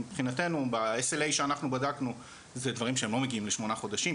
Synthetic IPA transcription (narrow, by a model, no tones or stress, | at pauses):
ipχinate̞nubaeselejʃeanaχnubadaknu | zedvaʁimʃ̬eemlo̞me̞ɡiimle̞ʃmo̞naχo̞daʃi